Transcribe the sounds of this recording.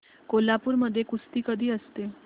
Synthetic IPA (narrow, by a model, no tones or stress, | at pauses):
kolapuɾməd̪ʱːjekust̪iːkəd̪ʱiəst̪e